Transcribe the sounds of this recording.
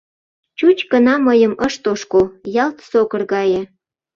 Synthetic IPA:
t͡ɕut͡ɕkənɑməjəməʃt̪oʃkojɑlt̪sokərɣɑjĕ

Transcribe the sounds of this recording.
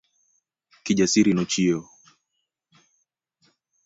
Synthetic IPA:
kiʄasiɾinɔt͡ʃiɔ

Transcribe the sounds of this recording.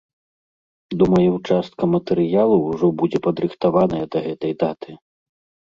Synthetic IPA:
d̪umɐjɛwt͡ʂast̪̚kɐmɐt̪ɛɾɨjalˠɐʐɔbud͡zʲɛpɐd̪ɾɨxt̪avanɐjɐd̪ɐɣɛt̪ɐjd̪at̪ɨ

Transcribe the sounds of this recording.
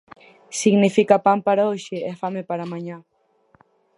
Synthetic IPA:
siɡnifikapampaɾaoʃeefamepaɾamaɲa

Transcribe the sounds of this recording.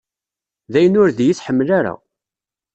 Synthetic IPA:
ðæjənʊɾðjiθħəmːlaɾæ̰

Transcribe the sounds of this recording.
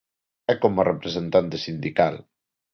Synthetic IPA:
ɛkomarʔepɾezent̪ant̪esind̪ikal

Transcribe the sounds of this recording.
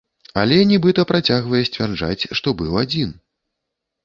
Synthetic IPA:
alʲɛnʲɛbɨt̪ɐpɾat͡sʲaɣvɐjɛsʲt͡sʲvʲard͡ʐa̰t͡sʲʂt̪ɔbɨwad͡zʲin

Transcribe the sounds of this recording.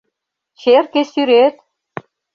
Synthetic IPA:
t͡ɕerkesyɾet̪̚

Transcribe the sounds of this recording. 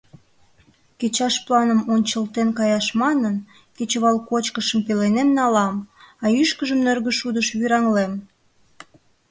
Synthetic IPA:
ket͡ɕɑʃplɑnəmonʲt͡ɕəlt̪enkɑjɑʃmɑnən | ket͡ɕəβɑlkot͡ɕkəʃəmpelenemnɑlɑmɑyʃkəʒəmnørɣəʃud̪əʃβyɾɑŋlem

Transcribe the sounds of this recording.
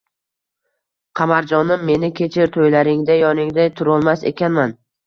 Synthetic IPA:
qʰɑmaɾd͡ʒɒnɪmːe̞nɪkʲʰe̞t͡ʃʰɪɾt̪ʰojlaɾɪŋd̪ajɒnɪŋd̪at̪ʰʊɾɒlˠmasḛkʲanman

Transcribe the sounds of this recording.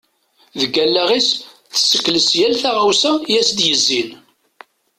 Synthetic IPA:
ðəɡælːæʁis | θə̥sːəkːləsjælθaʁawsæjæsd̪jəzːin

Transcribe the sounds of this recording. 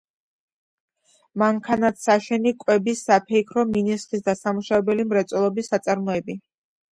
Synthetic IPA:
maŋkʰanat̪ʰsaʃɛnikʼwɛbisːapʰɛikʰɾɔminislis̬d̪asamuʃavɛbɛlimɾɛt̪sʼɔlˠɔbisːat̪sʼaɾmɔɛbi

